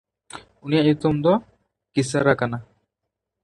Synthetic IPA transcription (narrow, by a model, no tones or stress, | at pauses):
unijaʔjut̪ɔmd̪ɔ | kisaɾakana